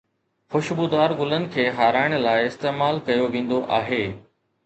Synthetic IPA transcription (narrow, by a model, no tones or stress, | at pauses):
xʊʃbud̪aːɾɡʊlənɪ̆kʰeːɦaːɾaːɪɽ̃laːɪɪst̪eːmaːlkɐjoʋẽːnd̪oʔaːɦeː